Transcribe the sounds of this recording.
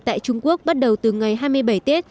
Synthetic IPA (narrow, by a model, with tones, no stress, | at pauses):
t̪a̰ː˧˨jt͡ɕʊ˧ŋ͡mku˦˥ək̚ɓa˦˥t̚ɗə˨˩wt̪ɨ˨˩ŋa˨˩jɦaː˧jmɨ˧əjɓa˧˩jt̪e˦˥t̚